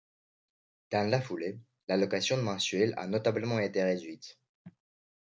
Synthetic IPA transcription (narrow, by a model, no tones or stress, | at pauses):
d̪̥ɛ̃lafule | lalɔkasjɔ̃d̪əmɑ̃sɥɛla̰nɔt̪abləmɑ̃et̪eʁed̪ɥit̪